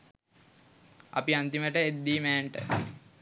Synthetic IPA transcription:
ɐ̰piant̪iməʈəed̪ːiːmæːɳʈə̰

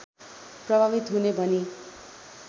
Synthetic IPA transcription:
prʌbʱabit̪ɦunebʱʌni

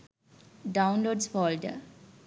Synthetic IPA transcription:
ɖãʊ̃nloːɖsfɔːlɖə̰

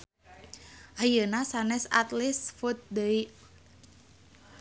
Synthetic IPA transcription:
ʔajənasanɛsa̰t̪lisfut̪̚d̪əi

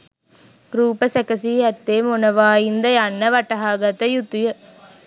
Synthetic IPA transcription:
ɾuːpəsekəsiːɦæt̪ːeːmonəʋaːind̪əjanːəʋaʈɐɦaːɡat̪əjut̪ujə

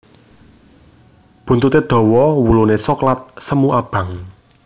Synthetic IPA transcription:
b̥ṳnt̪ut̪ed̪̥ɔ̤wɔwulunesoklat̪̚səmuab̥ä̤ŋ

